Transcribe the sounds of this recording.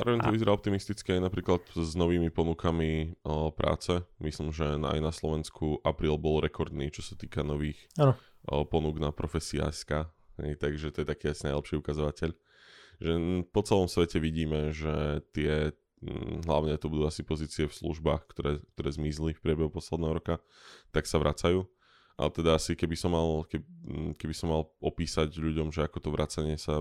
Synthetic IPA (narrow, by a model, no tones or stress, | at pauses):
zaːʊɾɔʋɛɲt̪ɔʋizɛɾaːɔp̚t̪imist̪it͡skiajnapɾiːklat̪znɔʋiːmipɔnukamipɾʔa̰ːt͡sɛmislimʒɛa̰jnaslɔʋɛnskʰuʔapɾiːlbɔlɾɛkɔɾd̪niːt͡ʃɔsḁt̪iːkanɔʋiːxanpɔnuɡnapɾɔfɛsia̰ɛskaː | ɦɛ̰jt̪aɡʒɛt̪ɔjɛt̪akiːasinaɪlɛpʃiːukazɔʋacɛʎ | ʒɛpɔt͡sɛlɔmsʋɛcɛʋiɟiːmɛʒɛt̪ɪɛ | ɦlaʊɲɛt̪ɔbud̪uːasipɔziːt͡siɛfslṵʒbaːxkt̪ɔɾɛːkt̪ɔɾɛːzmizlifpɾɪɛbɛɦupɔslɛd̪nɛːɦɔɾɔka | t̪aksaʋɾʔat͡sajuː | ʔa̰lt̪ɛd̪aasikɛbisɔmːalkɛkɛbisɔmːalʔɔpiːsaɟʎuɟɔmʒɛakɔt̪ɔʋɾʔat͡saɲɪɛsa